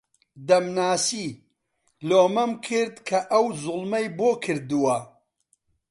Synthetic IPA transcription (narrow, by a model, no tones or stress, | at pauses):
d̪ɐmnaːsiː | loːmɐmkʰɨɾd̪kʰɐʔɐwzʊlˠmɐjboːkʰɨɾd̪uwɐ